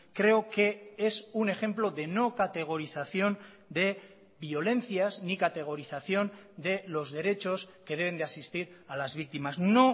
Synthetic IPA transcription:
kɾe̞oke̞e̞sune̞xe̞mplo̞ðe̞no̞kat̪e̞ɣ̞o̞ɾiθaθjo̞n | d̪e̞ | βijo̞le̞nθjaznikat̪e̞ɣ̞o̞ɾiθaθjo̞nd̪e̞lo̞zðe̞ɾe̞t͡ʃo̞ske̞ð̞e̞β̞e̞nd̪easist̪iɾalazβ̞ik̚t̪imazno̞

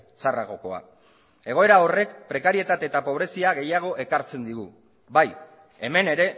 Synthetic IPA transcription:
sara̰ɣo̞ko̞̰a̰ | e̞ɣ̞o̞e̞ɾao̞re̞kpɾe̞kaɾie̞t̪at̪e̞t̪apo̞β̞ɾe̞siaɣe̞jaɣ̞o̞ʔe̞kaɾt͡se̞nd̪iɣ̞u | baj | eme̞ne̞ɾe̞

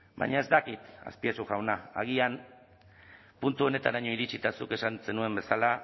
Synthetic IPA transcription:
ba̰ɲae̞zd̪akit̪a̰spiasuɣawnaa̰ɣian | punt̪uo̞ne̞t̪anaɲoiɾit͡ʃit̪asuke̞sanse̞nue̞mbe̞sala

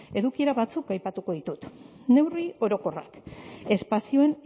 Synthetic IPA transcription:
e̞ðukie̞ɾaβat͡sukajpat̪uko̞ð̞it̪ut̪ | ne̞wrio̞ɾo̞ko̞ra̰ke̞spasioe̞n

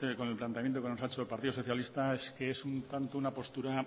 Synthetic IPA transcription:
eko̞ne̞lplant̪eamjent̪okenoaet͡ʃoelpaɾt̪iðoso̞θjalist̪aeske̞esunt̪ant̪ounapo̞st̪uɾa

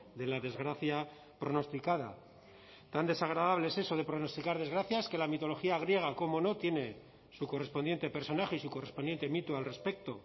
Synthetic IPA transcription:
ðe̞laðe̞zɣɾaθja | pɾo̞no̞st̪ikað̞a̰ | t̪and̪e̞saɣ̞ɾaðaβleese̞so̞ð̞e̞pɾo̞no̞st̪ikaɾðe̞zɣɾaθjaeske̞lamit̪o̞lo̞xiaɣ̞ɾje̞ɣ̞ako̞mo̞no̞t̪je̞ne̞ | suko̞re̞spo̞nd̪je̞nt̪e̞pe̞ɾso̞naxeisuko̞re̞spo̞nd̪je̞nt̪e̞mit̪ualre̞spe̞k̚t̪o̞

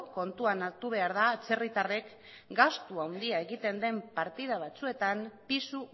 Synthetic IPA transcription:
ko̞nt̪uanat̪uβ̞e̞aɾðaːt͡se̞rit̪are̞k | ɡast̪uawnd̪iae̞ɣit̪e̞nd̪e̞mpaɾt̪iðaβ̞at͡sue̞t̪ampisu

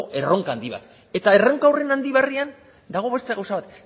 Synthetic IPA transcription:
ʔe̞ro̞ŋkaːnd̪iβa̰t̪ | e̞t̪aereŋkawre̞nand̪iβ̞arian | d̪aɣ̞o̞βe̞st̪e̞ɣawsaβat̪

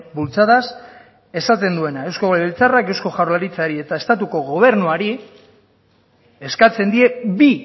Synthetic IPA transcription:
bult͡saðas | e̞sat̪e̞nd̪ue̞nae̞wskoɣoleelt͡sarake̞wsko̞ʝawrlaɾit͡saɾie̞t̪ae̞st̪at̪uko̞ɣo̞β̞e̞ɾnuaɾi | e̞skat͡se̞nd̪ie̞bi

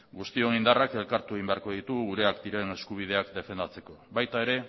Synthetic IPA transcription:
ɡust̪io̞nind̪arake̞lkaɾt̪ueɣimbe̞aɾko̞ð̞it̪uɣuɾe̞akd̪iɾe̞ne̞skuβ̞ið̞e̞akd̪e̞fe̞nd̪at͡se̞ko̞βajt̪ae̞ɾe̞

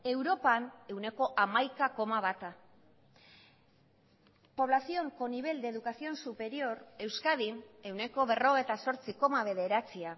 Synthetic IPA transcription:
e̞wɾo̞pane̞wne̞ko̞ʔamajkako̞maβat̪a | po̞β̞lasio̞ŋko̞niβ̞e̞ld̪eðukasio̞nsupe̞ɾio̞ɾe̞wskaðine̞wne̞ko̞βe̞ro̞ɣ̞et̪aso̞ɾt͡siko̞maβe̞ðe̞ɾat͡sia

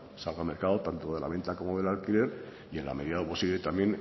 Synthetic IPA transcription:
salɣame̞ɾkaðot̪ant̪oðe̞la̰βe̞nt̪ako̞moðe̞lalkile̞ɾ | ie̞nla̰me̞ðiðaoposiβle̞t̪amje̞n

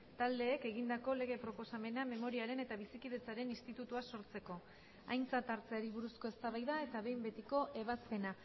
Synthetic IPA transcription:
t̪ald̪e̞ːke̞ɣind̪ako̞le̞ɣe̞pɾo̞po̞same̞name̞mo̞ɾiaɾe̞ne̞t̪aβ̞isikiðe̞t͡saɾe̞nist̪it̪ut̪uaso̞ɾt͡se̞ko̞ | a̰jnt͡sat̪aɾt͡seaɾiβ̞uɾusko̞e̞st̪aβajðae̞t̪aβe̞jmbe̞t̪iko̞ʔe̞β̞aspe̞na

